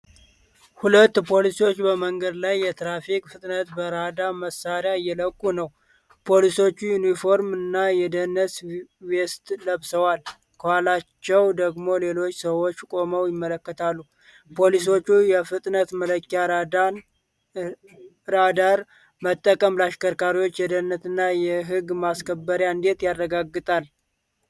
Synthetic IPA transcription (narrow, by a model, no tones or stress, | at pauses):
hulət̪ːpʰo̞lisiwo̞t͡ʃːbəməŋɡəd̪lajːɛt̪ʰɾafikʼfɨt̪ʼnət̪bəɾad̪aməsaɾjajːɛləkʼːunəw | pʰo̞liso̞t͡ʃːujunifo̞ɾmɨnːajɛd̪ənəswest̪ləβsəwal | kʰəwalat͡ʃːɛwd̪əɡmo̞le̞lo̞t͡ʃːsəwo̞t͡ʃːkʼo̞məwjɪmːələkːət̪ʰalːu | pʰo̞lis̬o̞t͡ʃːujɛfɨt̪ʼnət̪mələkːja | ɾad̪aɾ | mət̪ʼːəkʼəmlaʃkʰəɾkʰaɾiwo̞t͡ʃːjɛd̪ənːət̪ɨnːajɛɦɨɡmaskʰəbːəɾjaɨnd̪e̞t̪jarːəɡaɡːɨt̪ʼal